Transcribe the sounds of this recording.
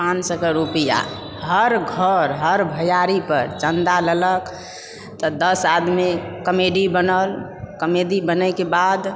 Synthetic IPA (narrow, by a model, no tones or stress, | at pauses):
pãnsəkəɾupija̰ | ɦəɾɡʱəɾɦəɾbʱəjaɾipəɾt͡ʃənd̪alələk | t̪ɔd̪əsad̪mekəmeɖibənəlkəmeɖibənəkebad̪